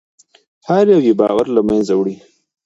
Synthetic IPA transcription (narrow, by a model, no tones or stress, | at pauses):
haɾjawibɑ̰ːɣaɾlamanzawɽi